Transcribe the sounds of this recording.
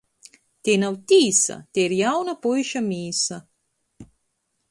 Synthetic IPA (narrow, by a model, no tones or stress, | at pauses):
t̪enɐwt̪iːsɐ̰t̪eɾjawnɐpojʃɐmiːsɐ